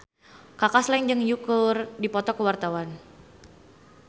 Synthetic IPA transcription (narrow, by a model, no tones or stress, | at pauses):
kakasland͡ʒɨŋjukərdipɔt̪ɔkəwart̪awan